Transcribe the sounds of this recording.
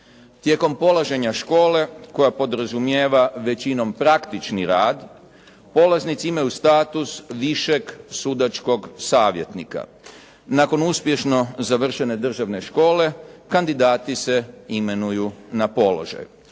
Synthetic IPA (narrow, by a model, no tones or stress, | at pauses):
t̪je̞ko̞mpo̞lˠaʒe̞ɲaʃko̞ːle̞ko̞japo̞d̪ɾazumjeːʋaʋe̞t͡ɕino̞mpɾakt̪it͡ʃniɾaːd̪ | po̞laznit̪siimajust̪aːt̪usʋiʃeɡsud̪at͡ʃko̞ɡsaːʋje̞t̪nḭka̰ | nako̞nuspje̞ʃno̞zaʋr̩ʃe̞ne̞d̪r̩ʒaʋne̞ʃko̞ːle̞kand̪id̪aːt̪ise̞ime̞nujunapo̞lo̞̰ʒa̰ju